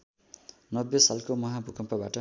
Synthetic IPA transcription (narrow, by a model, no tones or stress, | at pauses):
nʌbjesalkomʌɦãbʱukʰʌmpabaʈʌ